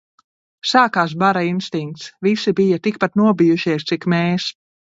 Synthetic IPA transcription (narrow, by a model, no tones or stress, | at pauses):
saːkaːs̬baɾainst̪iŋk̚t̪svisibijɐt̪ik̚pat̪nuɔbijuʃiɛst̪ikmeːs